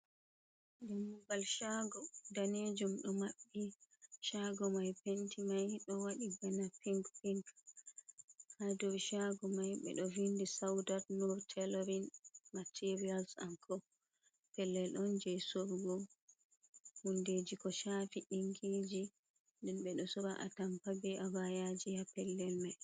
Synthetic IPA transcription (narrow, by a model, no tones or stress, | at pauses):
dɛmuɡalʃaɡɔdaned͡ʒumɗɔmaɓːiʃaɡɔmajpentʰimajɗɔwaɗiɡanapiŋkpiŋk | hadɔwʃaɡɔmajɓɛ̰ɗɔvindisawdatnɔɾtʰɛlɔɾinmatʰiɾialsaŋkʰɔ | pɛlːɛlʔɔnd͡ʒɛjsoɾɡɔ | munded͡ʒikɔʃafiʔiŋɡiːd͡ʒi | ndɛnɓɛɗɔsɔɾaʔa̰tampaɡɛʔabajad͡ʒijapɛlːɛlmaj